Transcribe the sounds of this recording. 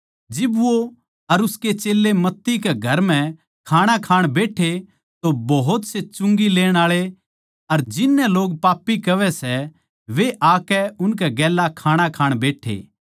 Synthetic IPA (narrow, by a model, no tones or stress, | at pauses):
d͡ʒɪbʋo | ɐɾʊsket͡ʃeːlːemɐt̪ːikeɡʱɐɾm̤ɛ̃ | kʰaːɽ̃akʰaːɽ̃beːʈʰe | t̪obɐɦʊt̪set͡ʃʊ̃ŋɡileːɽ̃aːɭe | ɐɾd͡ʒɪnːɛloːɡ̚paːpːikɐʋɛsɛ | ʋeʔaːkɛʊnkɛɡɛːlakʰaːɽ̃akʰaːɽ̃beːʈʰḛː